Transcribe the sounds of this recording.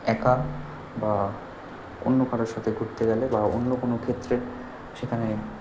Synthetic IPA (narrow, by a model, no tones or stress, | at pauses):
ɛka | ba | o̰nːokaɾeɾʃat̪ʰeɡʱuɾt̪eɡɛlebao̰nːokonokʰet̪ːɾe | ʃekʰane